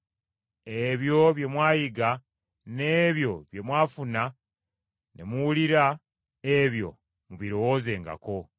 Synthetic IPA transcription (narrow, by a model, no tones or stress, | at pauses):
e̞βjo̞βje̞mwaːjiɡa | ne̞βjo̞βje̞mwaːfuna | nʔe̞̰muwuliɾa | eβjo̞̰ | muβiɾo̞woze̞ːŋɡa̰ko̞